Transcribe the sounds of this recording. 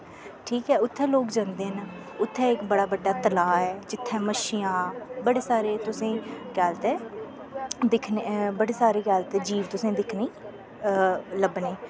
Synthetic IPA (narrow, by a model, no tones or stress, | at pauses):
ʈʰiːkɛːʊt̪ʰːɛ̃ːloːkd͡ʒãːnd̪eːn | ʊt̪ʰːɛ̃ːɪkbəɽaːbəɖːaːt̪əlaːɛːd͡ʒɪt̪ʰːɛ̃ːməʃɪjãːbəɽeːsaːɾeːt̪ʊsẽːɡɛːlt̪ɛː | d̪ɪkʰnebəɽeːsaːɾeːɡɛːlt̪ɛːd͡ʒiːʋt̪ʊsẽːd̪ɪkʰniː | ləbneː